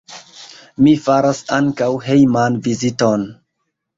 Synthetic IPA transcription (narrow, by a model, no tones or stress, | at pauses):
mifaɾasaŋkawɦejmanviziton